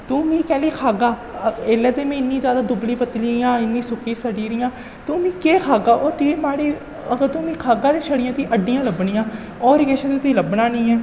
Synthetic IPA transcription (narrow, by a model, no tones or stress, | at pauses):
t̪uːmĩːkɛ̃ːliːkʰaːɡaːeːlːeːt̪eːmɛ̃ːɪnːiːd͡ʒjaːd̪aːd̪ʊbliːpət̪liːjãːɪnːiːsʊkiːsəɖiːɾɪjãː | t̪ʊːmĩːkeːkʰaːɡaːʔɔːɾt̪uiːmaːɽiː | əɡəɾt̪uːmĩːkʰaːɡaːd̪eːʃəɽɪjãːt̪iːʔəɖːijãːləbɳijãː | ɔːɾkeːʃeːt̪eːt̪ʊiːləbnaːnĩːɛː